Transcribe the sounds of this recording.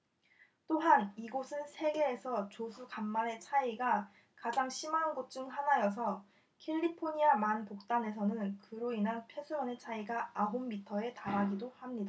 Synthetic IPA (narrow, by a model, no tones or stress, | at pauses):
t͈oɦaniɡosʰɯnsʰe̞ɡe̞ːsʰʌt͡ɕosʰukamːane̞t͡ɕʰaiɡa | kad͡ʑaŋɕʰimaɦnɡot̚t͡ɕ͈uŋɦanajʌs̬ʰʌ | kʰeʎːipʰoɲiamanpok̚t͈ane̞s̬ʰʌnɯnkɯɾoinɦanpʰje̞sʰuʌne̞t͡ɕʰaiɡaaɦomːitʰʌe̞taɾaɡidohamɲida